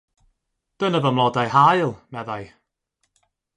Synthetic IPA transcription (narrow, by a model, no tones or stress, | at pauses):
d̥ənəvəmlˠɔdajhajlˠmɛðaj